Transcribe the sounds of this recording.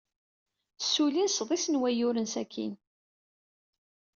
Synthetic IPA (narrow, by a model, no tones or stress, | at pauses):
sːulinsðˤisənwæjʊɾənsækʰːḭn